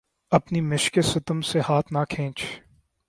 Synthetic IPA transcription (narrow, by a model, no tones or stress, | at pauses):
ɐpnimɪʃkesɐt̪əmsehaːt̪ʰnakʰẽːt͡ʃ